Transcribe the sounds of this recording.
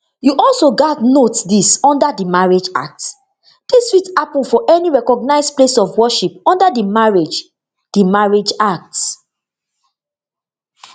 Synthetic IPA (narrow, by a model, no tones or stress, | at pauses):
juʔɔlsoɡɔtnotsdisɔ̃ndadimaɹed͡ʒa̰k̚t | d̥isfitapɔ̃nfɔʔɛniɹɛkɔɡ̚naɪzdplesɔfwɔʃipɔ̃ndadimaɹed͡ʒ | d̥imaɹed͡ʒak̚t